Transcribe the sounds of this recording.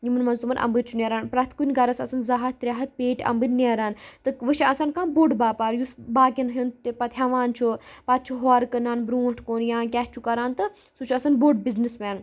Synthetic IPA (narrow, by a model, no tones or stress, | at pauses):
jimɨnmɐnzt̪umɐnʔɐ̰mbɨɾt͡ʃʰuneːɾaːnpɾɐt̪ʰkunʲɡɐɾɐsɐsɐnzaɦɐt̪̚t̪ɾʲaɦɐt̪̚peːʈʲɐ̰mbɨnneːɾaːnt̪ɨkʋɨʃiɐsɐnkaːnboɖbaːpaːɾjusbaːkʲinɦint̪ipɐt̪ɦaʋaːnt͡ʃʰupɐt̪̚t͡ʃʰuɦoːɾkɐnaːnbɾuːʈʰkoːnjãːkʲɛːst͡ʃʰukɐɾaːnt̪ɨ | sut͡ʃʰuɐsɐnboɖ̚biznismɛːn